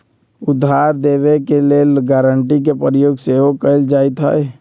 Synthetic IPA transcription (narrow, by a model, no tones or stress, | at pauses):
ʊd̪ʱːaɾd̪eʋekeleːlɡaːɾəɳʈik̬epəɾjoːɡseɦokəɪld͡ʒaːet̪ɦə̰j